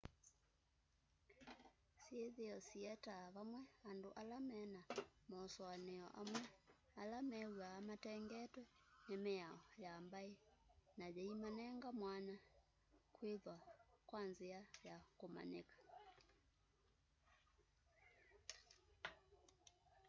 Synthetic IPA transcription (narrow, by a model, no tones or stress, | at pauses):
seðeɔsiɛtaβamwɛandoʔalamɛnamɔːsɔaneɔʔamwɛ | alamɛwaːmatɛŋɡɛtwɛ | nemeaɔjambaenad͡ʒɛimanɛŋɡamwana | kweðwakwanziajakoma̰nḛkḁ